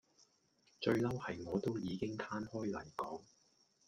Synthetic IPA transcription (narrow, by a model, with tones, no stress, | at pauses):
t͡ʃɵ˧ɥlɐ˥whɐ˨jŋɔː˨˧t̪o˥wjiː˨˧kɪ˥ŋt̪ʰaː˥nhɔː˥jlɐ˨˩jkɔː˨˥ŋ